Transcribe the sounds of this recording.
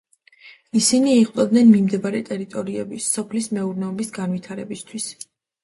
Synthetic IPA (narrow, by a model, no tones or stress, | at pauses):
isiniːχʼt̪ʼɔd̪nɛnmimd̪ɛbaɾɛt̪ʼɛɾit̪ʼɔɾiɛbisɔpʰlismɛuɾnɛɔbisɡanwit̪ʰaɾɛbist̪ʰwis